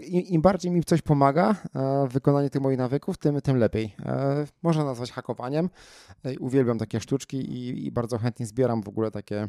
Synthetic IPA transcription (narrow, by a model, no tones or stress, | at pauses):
iimbaɾd͡ʑejmʲisɔɕpɔmaɡavɘkɔnaɲɛt̪ɘxmɔjixnavɘkuft̪ɘmt̪ɘmlɛpʲjej | mɔʐnanazvat͡ɕxakɔvaɲɛm | uvʲjɛlbʲjamt̪akʲɛʂt̪ut͡ʂkʲiʔḭbaɾd̪zɔxɛnt̪ɲɛzbʲjɛɾamvɔɡulɛt̪akʲɛ